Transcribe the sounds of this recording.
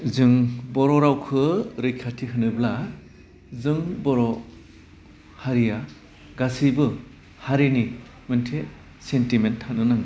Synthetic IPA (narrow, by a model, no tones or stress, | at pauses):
zɯŋbɔɾɔɾawkʰɯɾɯjkʰatʰiɦɯnɯbla | zɯŋbɔɾɔ | haɾija | ɡasibɯ | haɾini | mɯntʰe | sentimentʰːanɯnaŋ